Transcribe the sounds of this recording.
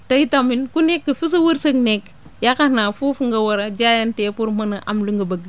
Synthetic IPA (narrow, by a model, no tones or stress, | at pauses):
taitaminkunekːəfis̬uwuɾsɐknek | jakanafufuŋɡawɐɾad͡ʒajantefuɾmɐnaʔamluŋɡɐbaɡ